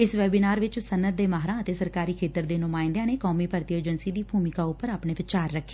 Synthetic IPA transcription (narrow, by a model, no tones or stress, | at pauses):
ɪsʋɛːbɪnaːɾʋɪt͡ʃsənːəd̪̚ːeːmaːɦɾãːət̪eːsəɾkaːɾiːkʰeːt̪əɾd̪eːnʊmaːɪ̃nd̪jãːneːkɔːmiːpəɾt̪ijeːd͡ʒənsiːd̪iːbʱuːmɪkaːʊpːəɾaːpɳeːpɪt͡ʃaːɾːəkʰːeː